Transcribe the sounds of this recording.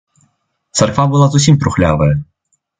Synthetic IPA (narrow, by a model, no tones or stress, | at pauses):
t̪sarkvabɨlˠazus̬ʲimpɾʊxlʲa̰vɐjɐ